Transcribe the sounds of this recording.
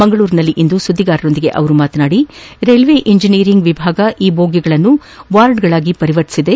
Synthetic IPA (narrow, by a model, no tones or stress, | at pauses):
mɐŋɡɐɭuːɾinɐlːiʔind̪usud̪ʱːiɡaːɾɐɾo̞nd̪iɡe̞̰ʔɐ̰ʋɐɾumaːt̪ɐnaːɽiɾelʋeʔiɲd͡ʒiniːɾiŋɡʋibʱaːɡɐʔiːbʱoːɡiɡɐɭɐnːu | ʋaːɾɖɡɐɭaːɡipɐɾiʋɐʈi̥sid̪e̞